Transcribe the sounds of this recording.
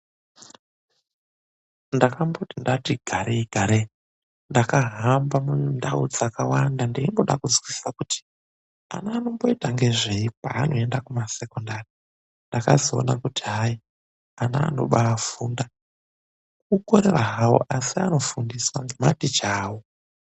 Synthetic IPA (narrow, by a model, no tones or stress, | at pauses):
ndakambotindatiɡʱaɾeiɡʱaɾe | ndakaɦambamundaud͡zakawandandeimbo̞ɗakud͡zwisi̥sakuti̥ | a̰naːno̞mbo̞itaŋɡe̞ʐeipa̰ːno̞e̞ndakumase̞kondari | ndakazoo̰nakutiɦai | ana̰ːno̞̰ɓaːfuːnda | kukoɾeraɦawo̰ʔasiano̞fundiswaŋɡe̞matit͡ʃaːwo